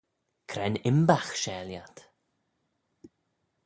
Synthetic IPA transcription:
kʰɾɛnɪmbaxʃɛːljat̪

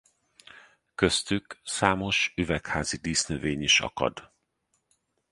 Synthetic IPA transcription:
køst̪yksaːmo̞ʃyvɛkhaːzid̪iːsnøveːɲiʃɒ̰kɒ̰d̪

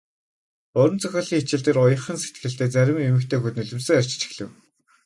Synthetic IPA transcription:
ʊɾɞ̆nt͡sʰœxʲɔːɮiːŋet͡ɕɪ̆ɮt̪eːrʊjə̆χə̆nset̪ɡɘ̆ɬt̪eːt͡sæɾʲɪ̆memɘ̆kt̪ʰeːxut̪nɵɮɵ̆msɘ̆ŋar̥ʲt͡ɕt͡ɕɪ̥̆xɮɘ̆w

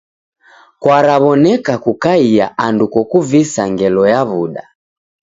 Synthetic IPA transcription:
kwaɾaβɔnɛkakukaija̰ʔandukɔkuvisaŋɡɛlɔjaβuɗa

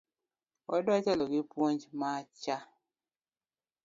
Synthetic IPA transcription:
wɔdwat͡ʃɛlɔɡipwond͡ʒmat͡ʃa

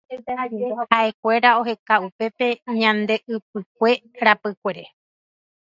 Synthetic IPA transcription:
haʔe̞kʷe̞ɾao̞ɦe̞kaupe̞pe̞ɲãnd̪e̞ʔɨp̚ɨk̚ʷe̞ɾapɨkʷe̞ɾe

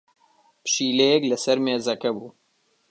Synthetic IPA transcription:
pɨ̥ʃiːlɛjɛklɨsɐɾmeːzɐkɛbuː

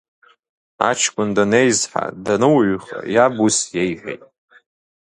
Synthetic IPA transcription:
a̰t͡ʃʰkʷʼʊndanejzħa̰danɨwɥχa̰jabusjejħʷᶣḛjtʼ

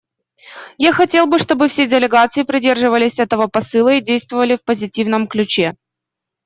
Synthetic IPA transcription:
jaxɐtʲe̞lˠbɨʂt̪o̞bɨfsʲedʲɪlʲɪɡat̪sɨɪpɾʲɪdʲe̞rʐɨvəlʲɪsʲɛt̪əvəpɐsɨlˠəidʲejst̪vəvəlʲɪfpəzʲɪtʲivnəmklʲʉt͡ɕe

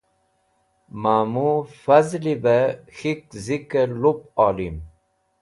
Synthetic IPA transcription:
maːmufɐzlibəxikzikəɾlup̚ɑːlim

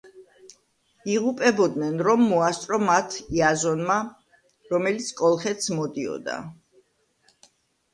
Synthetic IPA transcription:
iʁupʼɛbɔd̪nɛnɾɔmːɔast̪ʼɾɔmat̪ʰiazɔnma | ɾɔmɛlit̪sʰkʼɔlˠχɛt̪sʰmɔd̪iɔ̰d̪a̰

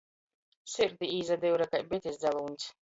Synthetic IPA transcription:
siɾd̪iiːzad̪ɛwɾakajbɛt̪ʲisd̪zalˠuːnʲsʲ

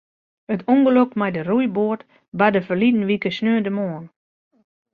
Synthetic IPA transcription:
ətʰuŋɡəløkmajdərujboərt | badəfərlidn̩ʋikəsnøːəndəmoən

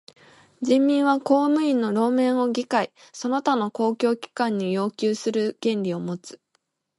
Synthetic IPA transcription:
d͡ʑĩmːʲĩɰ̃βako̞ːmɯ̟ĩnːo̞ɾo̞ːmẽ̞ɰ̃o̞ɡʲikaiso̞no̞t̪ano̞ko̞ːkʲo̞ːkʲi̥kãɲ̟ːijo̞ːkʲɨːsɨɾɯ̟ɡ̥ẽ̞ɲɾʲio̞mo̞t͡sɨ̥

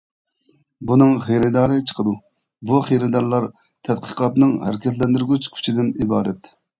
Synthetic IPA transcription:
bunɨŋχeɾɪd̪ɑːɾɨt͡ʃʰə̥qʰəd̪u | buχeɾɪd̪ɑɾlˠɑɾ | t̪ʰɛt̪̚qʰə̥qʰɑt̪nɨŋhæ̰ɾɪkʲʰɛt̪lɛnd̪yɾɡʲyt͡ʃkʲʰy̥t͡ʃʰid̪ɪnibɑːɾɛt̪

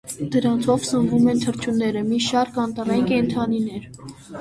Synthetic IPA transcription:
d̪̥əɾɑnt͡sʰɔvsəɱvumɛnt̪ʰəɾt͡ʃʰunːɛɾəmiʃɑɾkɑnt̪ɑrɑjinkɛnt̪ʰɑninɛɾ

